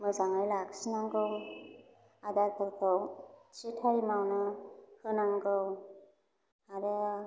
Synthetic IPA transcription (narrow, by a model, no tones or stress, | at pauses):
mɯzaŋajlaksinaŋɡɯw | adatʰɯɾkʰɯwt͡ʃitʰajmawnɯhɯnaŋɡɯw | aɾe